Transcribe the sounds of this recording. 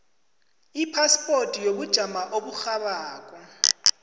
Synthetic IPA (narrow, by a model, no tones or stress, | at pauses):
ipʰaspʼortʼijok̬ud̥ʒ̥ʱamaʔoɓuxaɓaːk̬ʼɔ